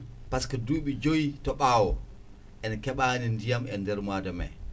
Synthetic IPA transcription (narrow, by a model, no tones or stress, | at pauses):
paskaduːɓid͡ʒojitɔɓaːwɔ | ʔɛnkɛɓaːnindijamɛndɛɾmaːdamɛ̰